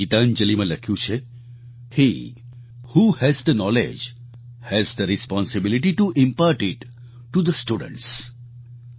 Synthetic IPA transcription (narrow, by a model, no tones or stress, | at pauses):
it̪and͡ʒəlimãləkʰjũt͡ʃʰe | hi | huhɛzd̪ənɔlḛd͡ʒ | hɛzd̪əɾispɔ̃nsɪbɪliʈiʈuʔɪ̃mpaɾʈɪʈː | ud̪əsʈuɖə̰̃ɳʈs